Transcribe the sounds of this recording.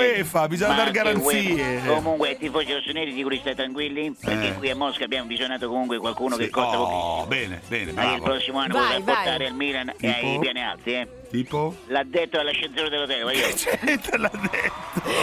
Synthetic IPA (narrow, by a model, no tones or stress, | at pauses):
efabizɔɲmad̪aɾɡaɾaniːekomuŋkwet̪ːifosiɾosonɛːɾid̪ikuɾist̪ajt̪ɾaŋkwilːipeɾkːekːwiamːɔskabjaːmovizjonaːt̪okomuŋkwekwalkuːnokekːɔavoḭbɛːnḛbɛ̰ːnmailpɾɔsːimoanːoɔɾaapoɾt̪aːɾealmiːlaneapjaːnia̰lt̪iɛ | t̪iːpolad̪ːet̪ːoalːaʃːent̪soːnad̪elot̪ɛːlewajt͡ʃɛent̪elad̪ːɛt̪ːo